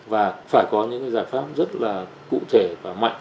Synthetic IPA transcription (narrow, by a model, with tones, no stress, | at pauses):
vaː˨˩faː˧˩jkɔ˨˦ɲɨ̰˧˥ŋkaː˨˦zaː˧˩jfaː˦˥p̚zə˦˥t̚laː˨˩ | kṵ˧˨t̪ʰe˧˩vaː˨˩ma̰˧˨jŋ